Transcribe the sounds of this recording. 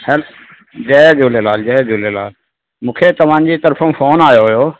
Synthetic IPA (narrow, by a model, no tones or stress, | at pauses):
hɛːl | d͡ʒɛːd͡ʒuːlelaːld͡ʒɛːd͡ʒuːlela̰ːl | mũːkʰet̪ɐʋ̤ãːɲd͡ʑit̪əɾfʰõfʰoːnaːjoɦʊjoː